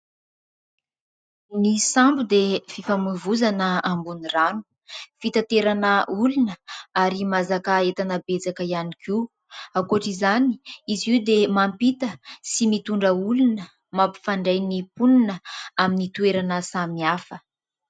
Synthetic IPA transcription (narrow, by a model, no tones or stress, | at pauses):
nisambud̪efifamuvuzanəambuniranu̥ | fit̪at̪eɾanəulunəaɾimazakəet̪anəbet͡sakəianiki | akoʈ͡ʂizani̥izid̪emampit̪əsimit̪uɳɖ͡ʐəulunə | mapi̥faɳɖ͡ʐajnipununəaminit̪ueɾanəsamiafə